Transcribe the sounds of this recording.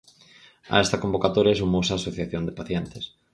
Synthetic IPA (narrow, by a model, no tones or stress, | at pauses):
a̰ɛst̪ɐkombokat̪oɾjɐsumowsaːsoθjaθjond̪ɪpaθjɛnt̪ɪs